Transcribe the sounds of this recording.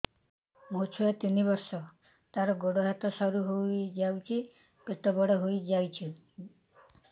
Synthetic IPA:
mot͡ʃʰujat̪inibɔɾsɔ | t̪aɾɔɡoɽɔɦat̪ɔsɔɾuɦojd͡ʒawt͡ʃʰi | kɾit̪ɔbɔɽɔɦojd͡ʒawt͡ʃʰi

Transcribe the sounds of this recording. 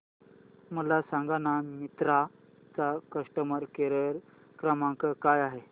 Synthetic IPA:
məlasãŋɡanamit̪ɾa | t͡sakəʂʈəməɾkeɾəɾ | kɾəmãŋkəkajaɦe

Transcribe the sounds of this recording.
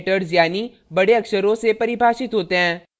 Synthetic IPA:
ʈəɾzjaːni | bɐɽeɐkʃəɾõsepɐɾɪbʱaːʃɪt̪ɦoːt̪eɦɛ̃ː

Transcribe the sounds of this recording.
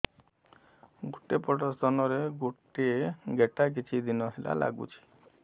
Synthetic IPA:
ɡuʈepɔʈɔst̪ɔnɔɾeɡuʈeɡeʈak̬it͡ʃʰid̪inɔɦela̰la̰ɡṵt͡ʃʰi̥

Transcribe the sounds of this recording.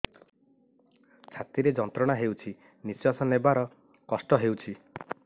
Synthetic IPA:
t͡ʃʰat̪iɾed͡ʒɔnt̪ɾɔɽ̃aɦewt͡ʃʰi | niswasɔnebaɾɔ | kɔsʈɔɦewt͡ʃʰi

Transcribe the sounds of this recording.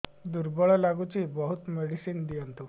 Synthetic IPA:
d̪uɾbɔɭalaɡut͡ɕiːbəɦut̪meɽisiːnd̪ijənt̪u

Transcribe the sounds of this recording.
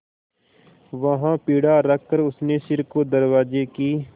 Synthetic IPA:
ʋɐɦãpiːɽaɾɐkːəɾʊsneʃɪɾkod̪ɐɾʋaːd͡ʒekiː

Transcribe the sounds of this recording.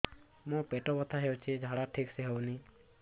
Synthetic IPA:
mõpeʈobət̪ʰaɦewt͡ʃʰed͡ʒʱaɽaʈʰikseɦəwni

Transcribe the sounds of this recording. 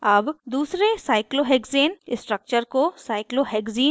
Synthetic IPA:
ɐbd̪uːsɾesaːɪkloɦɛːɡzeːnɪsʈɾək̚t͡ʃəɾkosaːɪkloɦɛːɡziː

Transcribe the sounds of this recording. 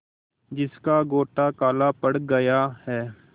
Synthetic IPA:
d͡ʒɪskaːɡoːʈaːkaːlaːpəɽɡəjaːhɛː

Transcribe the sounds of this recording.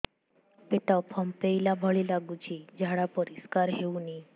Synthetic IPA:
peʈapʰɔmpeilabʱəɭilaɡut͡ɕid͡ʒaɽapɔɾiskaɾɦeuni

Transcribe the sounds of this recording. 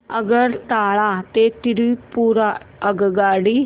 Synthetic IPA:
əɡəɾt̪aːɭaːt̪eːt̪ɪɾipuːɾaəɡɡaːɽiː

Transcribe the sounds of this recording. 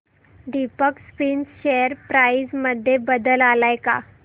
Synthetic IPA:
ɖ̪ipəkspinsɕejəɾpɾaisməd̪ʱːjebəd̪əlalajka̰

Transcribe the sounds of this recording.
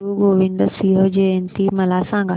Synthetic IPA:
uɡoːʋĩɳɖ̪əsiɦəd͡ʑeẽnt̪imɐlaːsãːŋɡa

